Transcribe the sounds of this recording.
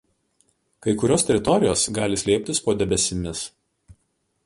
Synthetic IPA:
kɐɪkʊɾʲoːst̪ʲɛɾʲɪt̪ɔɾʲɪjoːsɡɑːlʲɪsʲlʲɛːpʲt̪ʲɪspoːd̪ʲɛbʲɛsʲɪmʲɪs

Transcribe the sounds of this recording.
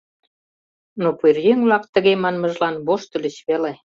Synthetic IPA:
nopyrjeŋβlɑkt̪ə̆ɣemɑnməʒlɑnβoʃt̪ə̆lʲət͡ɕβele

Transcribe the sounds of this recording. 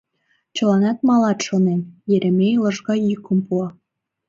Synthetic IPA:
t͡ɕəlɑnɑt̪̚mɑlɑt̪ʃonemjeɾemejləʒɣɑjykəmpuɑ

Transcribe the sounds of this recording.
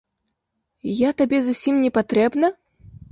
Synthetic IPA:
jat̪abʲɛzusʲimnʲɛpat̪ɾɛbnɐ

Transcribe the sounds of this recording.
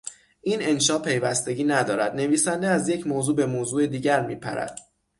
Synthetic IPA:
ʔiːne̞nʃɒːʔpʰe̞jvæst̪e̞ɟʲiːnæd̪ɒːɾæd̪ne̞viːsænd̪eæzje̞cʰmoːzuːbe̞moːzuːe̞d̪iːɟæɾmiːpʰæ̰ɾæ̰d̪̥

